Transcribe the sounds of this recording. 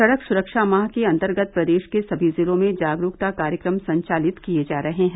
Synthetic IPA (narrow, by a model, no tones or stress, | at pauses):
sɐɽəksʊɾəkʃamaːɦkeɐ̃nt̪əɾɡət̪̚pɾɐd̪eːʃkesɐbʱizɪlõmẽd͡ʒaːɡɾuːk̚t̪akaːɾjəkɾəmsɐ̃ɲt͡ʃaːlɪt̪kied͡ʒaːɾɐɦeɦɛ̃